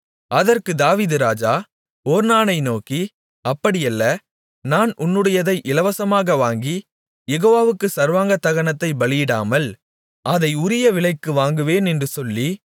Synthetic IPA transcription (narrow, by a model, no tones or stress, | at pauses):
ɐðɐrkɯd̪aːʋiːðɯɾaːd͡ʒaː | oːɾnaːnɐɪnoːki | ɐpːɐɽɪjɐlːɐ | naːnʊnːɯɽɐjɐðɐɪʔɪlɐʋɐsɐmaːɣɐʋaːŋɡi | jɛɣoːʋaːʋɯkːɯsɐɾʋaːŋɡɐt̪ːɐɣɐɳɐt̪ːɐɪbɐɭɪjɪɽaːmɐl | ɐðɐɪʊɾɪjɐʋɪɭɐɪkːɯʋaːŋɡɯʋeːnɛndrɯsɔlːi